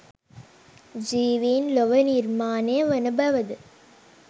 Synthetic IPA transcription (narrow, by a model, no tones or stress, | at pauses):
d͡ʒiːʋiːnlɔʋɐniɾmaːneːʋɐnɐbɐʋɐd̪ɯ